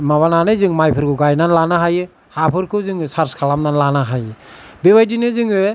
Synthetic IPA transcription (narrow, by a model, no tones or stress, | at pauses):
maβananɯjzɯŋmajpʰɯɾkɯɡajnanlanaɦajɯ | hapʰɯɾkʰɯzɯŋɯsaɾskʰalamnanlanaɦajɯbeβajdinɯzɯŋɯ